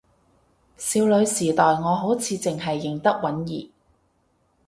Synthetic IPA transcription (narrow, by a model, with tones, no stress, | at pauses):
siː˧wlɵ˨˧ɥsiː˨˩t̪ɔː˨jŋɔː˨˧ɦo˨˥wt͡sʰiː˧t͡sɪ˨ŋɦɐ˨jːɪ˨˩ŋt̪ɐ˥k̚wɐ˨˥njḭː˨